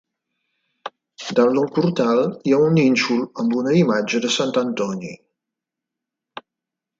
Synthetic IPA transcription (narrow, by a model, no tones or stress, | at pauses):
d̪alnɔlˠpuɾt̪alˠiauninʲt͡ʃulˠəmbunəimad͡ʒəðəsant̪ənt̪ɔnḭ